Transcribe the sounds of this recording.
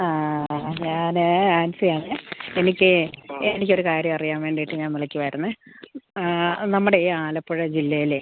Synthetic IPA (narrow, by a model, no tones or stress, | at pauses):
aːɲaːnaːnsɐjaːmɐe̞nikʲːɨenikʲːo̞ɾukaːɾjɐmɐrijaːmʋeːɳɖijiʈːɨɲaːnmiɭɐkʲːiʋɐjɾunːɐ | nɐmːuɽeaːlɐpːoɻɐd͡ʑilːɐjile